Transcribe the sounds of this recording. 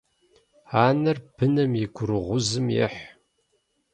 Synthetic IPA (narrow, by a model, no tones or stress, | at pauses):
aːnɐrbʰɨnɐmjɪɡʷʰʊɾɨʁʷʊzɨmjɛ̰ħ